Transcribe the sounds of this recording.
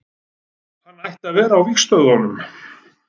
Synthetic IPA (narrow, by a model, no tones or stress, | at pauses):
hanːajht̪aðvɛːɾaːwvixst̪œðhɔnːʏm